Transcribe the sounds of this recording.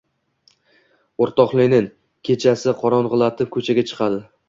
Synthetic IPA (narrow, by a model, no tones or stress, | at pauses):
oɾt̪ʰɒqlˠɪnɪŋ | kʲʰe̞t͡ʃʰasɪqʰɒɾɒnʁɨlˠat̪ʰɪp̚kʰɵt͡ʃʰaɡʲat͡ʃʰɨ̥qʰɑd̪ɪ